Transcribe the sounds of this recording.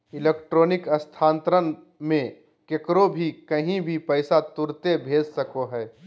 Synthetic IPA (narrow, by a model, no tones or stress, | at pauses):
ɪleːkʈɾoːnɪkɐst̪ʰãːnt̪ɾən | mẽ | kekɾobʱikɐɦĩbʱipɛːɪsat̪ʊɾt̪ebʱeːd͡ʒsɐkoɦɛː